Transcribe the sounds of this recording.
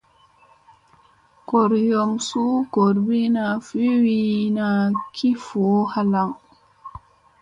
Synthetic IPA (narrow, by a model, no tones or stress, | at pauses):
kɔɾjɔmsukoɾbinafiwinakʰifɔhalaw